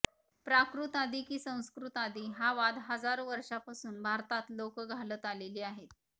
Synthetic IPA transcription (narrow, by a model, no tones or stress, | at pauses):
pɾakɾut̪ad̪iːkiːsə̃w̃skɾut̪ad̪iːɦaʋad̪ɦəd͡zaɾoʋəɾʂapasuːnbʱaɾt̪at̪lokəɡʱalət̪aleliːaɦet̪̚